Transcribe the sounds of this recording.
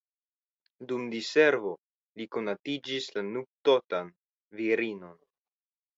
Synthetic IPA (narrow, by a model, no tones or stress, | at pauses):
dumd̪ise̞ɾvo̞ | liko̞natid͡ʒislanuk̚t̪otan | viɾino̞n